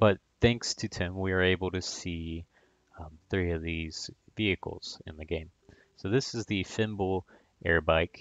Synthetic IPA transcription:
b̥ʌt̪̚θæ̃ŋkstʰɨtʰɪ̃mwiə˞eɪbl̩ˠtɨsĩ | θɹiʌvðiz̥viɨkl̩ˠz̥ɨ̰̃nðɨɡẽɪ̃m | soʊðɪsɨzðifɪ̃mbl̩ˠ | ʔɛɹbaɪk

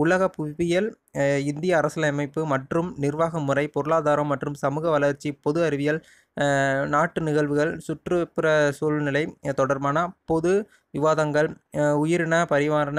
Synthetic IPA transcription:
ʊɭɐɣɐpʊʋɪjɐlɪnd̪ɪjɐːɾɐsɐlɐɐmɐɪpːɯmɐʈrɯmnɪrʋaːɣɐmːɯrɐɪpɔɾɯɭaːðaːɾɐmːɐʈrɯmsɐmɯːɣɐʋɐlɐɾt͡ʃːipɔðɯɐɾɪʋɪjɐl | naːʈːɯnɪɣɐɭʋɯɣɐɭsʊʈrɯpɪɾɐsuːɭnɪlɐɪt̪ɔɽɐɾmaːnɐpɔðɯ | ʋɪʋaːðɐŋɡɐɭʊjɪɾɪnɐpɐɾɪʋaːɾɐnɐ

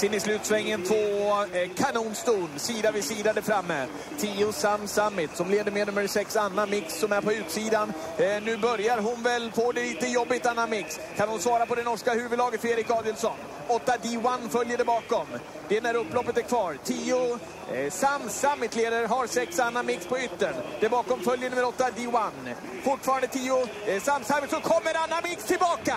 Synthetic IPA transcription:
sɛnːɪslʉ̟ːt̪svɛŋːənt̪ʰvoːkʰanuːnst̪uːnsiːd̪avɪsiːd̪ad̪əfɾamːə | t̪ʰiːʊsamsamːɪt̪sɔmleːd̪əɾmɛd̪nɵmːəɾsɛksanːamɪksːɔmæɾpʰɔʉ̟ːt̪siːd̪an | nʉ̟ːbœɾjaɾɦʊnvɛlfoːd̪ɛliːt̪əjɔbːɪt̪anːamɪks | kʰanhʊnsvɑːɾapɔd̪ɛnɔʂkahʉ̟ːvəd̪ɑːɡət̪feːɾɪkːɑːd̪jəlsɔn | ɔt̪ːad̪ɪanːfœljəɖɛbɑːkɔm | d̪ɛɛnæɾɵpːlɔpːət̪æɾkʰvɑːɾt̪ʰiːʊ | samsamːɪt̪leːd̪aɾɦaɾsɛksanːamɪkspʰɔʏt̪ːəɳd̪̥ɛbɑːkɔmfœljəɳ̟mːəɾɔt̪ːad̪ɪanː | fʊʈːfɑːɾand̪ət̪ʰiːʊsamːsamɪt̪sɔkʰɔmːəɾanːamɪkst̪ʰɪlbɑːka

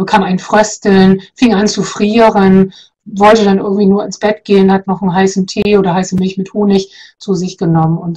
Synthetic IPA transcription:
bəkʰaːmaɪnfʁ̥œstl̩nfɪŋant͡sufʁ̥iːʁən | vɔltədanʔɪ̰ɐɡŋ̩tv̥iːnuːɐɪnsb̥ɛtɡ̥eːənhatnɔχn̩ɦaɪsn̩tʰeːʔoːɾɐhaɪsəmɪlçmɪthoːnɪçt͡suːzɪçɡ̥ənɔmənʊnt

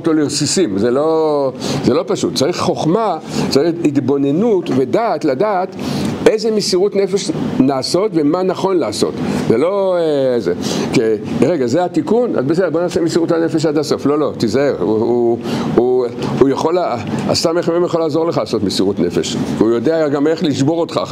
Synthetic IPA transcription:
otloleosisimzelo | zelo̞paʃutt͡saʁiχχo̞χmat͡saʁiχit̪bo̞ne̞nutvedatladaːt̪ezemisiʁutne̞fe̞ʃnaːso̞tvemanaχo̞nlaːso̞̰tzelozekeʁeɡazeatikuna̰zbes̬edbo̞naːsemisiʁutanefeʃ̬ad̪aso̞flo̞lo̞tizaeuuuujaχo̞laa̰st̪ameχememjaχo̞laːzo̞ʁlexχalaːso̞tmisiʁutne̞fḛʃkiujodeaɡameχliʃbo̞ʁot̪χa̰

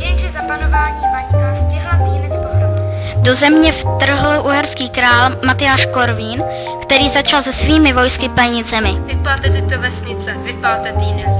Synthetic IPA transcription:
jɛŋʒɛzapanovaːɲiːmaɲikastɪɦlat̪iːnɛt͡spoɦɾov | do̞zɛmɲɛft̪r̩ɦl̩ʔuɦɛɾskiːkɾaːlmat̪ɪjaːʃko̞ɾviːn | kt̪ɛɾiːzat͡ʃalzɛsviːmɪvo̞jskɪpɛɲɪt̪zɛmɪvɪpalt̪ɛt̪ɛt̪ovɛsɲɪt͡sɛvɪpaːt̪ɛt̪iːnɛt͡s

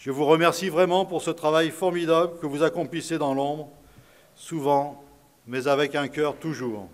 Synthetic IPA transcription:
ʒ̥əvuʁəmɛʁsivʁɛmɑ̃puʁsət̪χavajfɔʁmid̪abləkəvuzakɔ̃plised̪ɑ̃lɔ̃bʁ | suvɑ̃ | mɛzavɛkɛ̃kʲœʁt̪uʒuːʁ

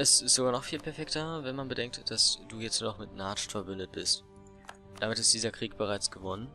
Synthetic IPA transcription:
ʔɛsɪstz̥oɡaːnɔχfiːlpʰɛɐfɛktɐvɛnmanbədɛŋk̚td̥asd̥uːjɛt͡stnɔχmɪtnaɐstfɛɐbʏndət̚b̥ɪst | d̥amɪtɪstd̥iːzɐkʁ̥iːk̚b̥əʁaɪt͡sɡ̥əvɔnən

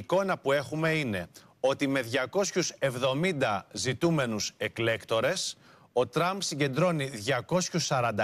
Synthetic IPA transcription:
ko̞nɐpue̞xume̞ine̞ | o̞t̪ime̞ðʝɐko̞sçuse̞vðo̞mind̪ɐzit̪ume̞nuse̞kle̞kt̪o̞ɾe̞s | o̞t̪ɾɐmbsiɟe̞nd̪ɾo̞niðʝɐko̞sçusɐɾɐnd̪ɐ

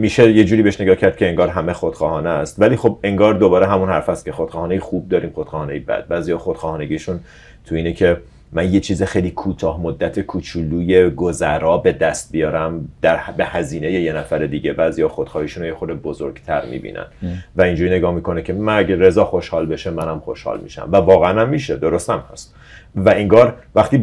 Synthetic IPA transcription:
miʃeje̞d͡ʒuːɾibeeʃne̞ɡɒːhcʰæɾd̪̚cʰeeŋɡɒːɾɦæmexod̪̥xɒːhɒːneæst̪væliːxo̞be̞ŋɡɒːɾd̪o̞bɒːɾeɦæmunhæɾfæst̪̚cʰexod̪̥χɒːhɒːnejexuːb̚d̪ɒːɾiːmxod̪̥xɒːhːnejebæ̰d̪̥̚bæːziːjɒːxod̪̥χɒːhɒːne̞ɟiːʃun | t̪ʰuiːnecʰe̞ | mænje̞t͡ʃʰiːzexejliːkʰuːt̪ʰɒːhmod̪ːæt̪ʰekʰuːt͡ʃʰuluːje̞ɡozæɾɒːbe̞d̪æst̪̚bijɒːɾæmd̪̥æɾbe̞hæziːne̞je̞jenæfæɾed̪iːɟe̞bæːziːjɒxod̪̥xɒːhiːʃunojexod̪ebozoɾɡt̪ʰæɾmḭːbḭːnʔæ̰nvæind͡ʒuːɾiːneɡɒːhmiːkʰo̞necʰe̞mænæɟeɾe̞zɒːxo̞ʃhɒːlbe̞ʃemænæmχoʃhɒ̰ːlmḭːʃæ̰mvævɒːɣeænæmːiːʃed̪o̞ɾost̪æmhæst̪ | væiŋɡɒːɾvæχt̪iː

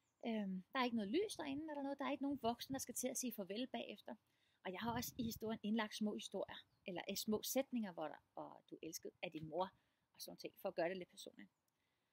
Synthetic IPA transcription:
ʔømd̥ɑ̈ɐe̝ɡənɔ̽ːðˠly̰ːsd̥ɑ̈e̝nn̩d̥ɾɑ̈nɔ̽ːð̩̥ˠɑ̈ɐe̝ɡ̥əno̝ːn̩ʋɒ̽ɡ̥snəd̥ɑ̈sɡ̥æt͡sʰe̝læse̝̰ːfɒ̽ʋelb̥ɛ̰ːefd̥ɐ | ʔɒ̽jɑ̈ɪhɑ̈ɒ̽sihisd̥o̝ɐ̰jəne̝nlɑ̈ɡ̥̚d̥smɔ̰̽ːhisd̥o̝ɐ̰jɐ | ʔelɐʔesmɔ̰̽ːsed̥ne̝ŋɐʋɒʋɒd̥uʔelsɡ̥əð̞̩ˠæd̥inmo̝ɐ̰ | ʔɒ̽sɒːnt͡sʰe̝ŋ̰fɒ̽ːɡ̥ɶːɐd̥e̝le̝d̥̚pʰæɐso̝̰ːnli

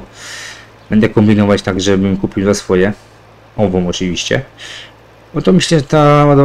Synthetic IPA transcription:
b̥ɛnd̪ɛkɔmbʲinɔvat͡ɕt̪aɡʐɛbɘmkupʲiwzasfɔjɛ | ɔvɔ̃w̃ɔt͡ʂɨvʲiɕt͡ɕɛ̰ | ɔt̪ɔmɘɕlɛʐɛt̪aad̪ɔ

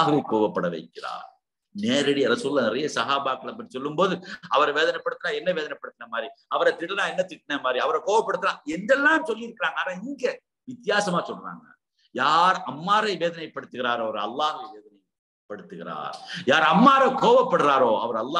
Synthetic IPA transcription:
ɦɐʋɐɪkoːʋɐpːɐɽɐʋɐ̰ɪkːɪɾa̰ːɾ | neːɾɐɽijɐɾɐsuːɾɪlːaːnɪɾɐjɐsɐɦaːbaːkːɐɭɐp̬ːɐʈːi̥sɔlːɯmboːðɯɐʋɐɾʋeːðɐnɐpːɐɽɯt̪ːɯnaːɛnːɐʋeːðɐnɐpːɐɽɯt̪ːɐnɐmaːd̪ɾiɐʋɐɾɐt̪ɪʈːɐnaːɛnːɐt̪ɪʈːɪnɐmaːd̪ɾiɐʋɐɾɐkoːʋɐpːɐɽɯt̪ːɯnãːɛnd̪ɛlːaːmsɔlːɪɪɾɯkːɪɾaːŋɡɐːnãːɪŋɡɐ | ʋɪt̪ːɪjaːsɐmaːsɔlːɾa̰ːŋɡɐ̰ | jaːɾɐmːaːɾɐɪʋeːðɐnɐɪpːɐɽɯt̪ːɯɣɪɾaːɾɐʋɐɾɐlːaːɦɐʋɐɪʋeːðɐnɐɪ | pːɐɽɯt̪ːɯɣɪɾa̰ːɾjaːɾɐmːaːɾɐkoːʋɐpːɐɽɯɾaːɾoːɐʋɐɾɐlːaː

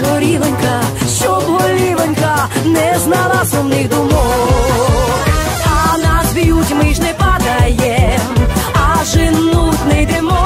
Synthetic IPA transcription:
ɦɔɾʲilˠɔnʲkɐʃɔbɔlʲilˠɔnʲkɐnɛznalˠasʊmnɪxd̪ʊmɔ | ɐnasbʲijutʲmɪʒnɛpɐd̪ɐjɛmɐʒɪnut̪nɪjd̪ɛmɔ

